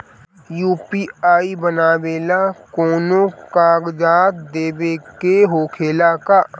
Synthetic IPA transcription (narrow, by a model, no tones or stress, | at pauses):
juːpiːaːibənaːʋeːlakoːnõkaːɡd͡ʒaːt̪d̪eːbekeɦoːkʰeːlaka